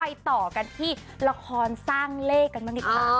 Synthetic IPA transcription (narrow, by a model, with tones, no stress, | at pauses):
a˧jt̪ɔː˨˩ka˧nt̪ʰiː˥˩ | la˧kʰɔː˧nsaː˥˩ŋleː˥˩kːa˧nma˧˥i˨˧